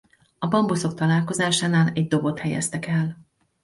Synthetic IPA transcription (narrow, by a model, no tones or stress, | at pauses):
ɒbɒmboso̞k̚t̪ɒlaːlko̞zaːʃaːnaːlɛɟd̪o̞bo̞t̪hɛjɛ̰st̪ɛkɛl